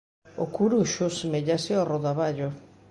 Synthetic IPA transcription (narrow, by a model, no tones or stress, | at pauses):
okuɾuʃʊsemeʎasɪɔroðaβaʎʊ